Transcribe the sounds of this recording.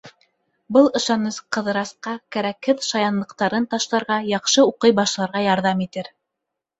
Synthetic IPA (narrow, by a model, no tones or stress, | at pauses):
bɤlˠɤ̆ʃɑnɤsqɤ̆ðɾɑsqɑkæɾækhɘðʃɑjɑnlˠɤ̆qt̪ɑɾɤnt̪ɑʃlˠɑɾʁɑjɑqʃɤuqɤjbɑʃlˠɑɾʁɑjɑɾðɑmit̪ɘɾ